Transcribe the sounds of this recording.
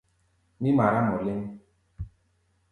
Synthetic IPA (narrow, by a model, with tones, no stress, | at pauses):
mi˦ma˨ɾa˦mɔ˨le˦m˦